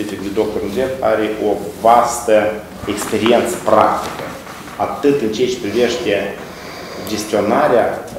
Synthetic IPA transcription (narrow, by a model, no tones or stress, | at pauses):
ifʲikd̪ed̪o̞k̚t̪ornzefaɾeʔo̞vast̪ə | ekspe̞ɾient̪sə̥pɾa̰kt̪i̥kə̰ | at̪ɨt̪ɨnt͡ʃeat͡ʃe̥pɾive̞ʃt̪ʲe̞ | d͡ʒe̞st̪io̞naɾea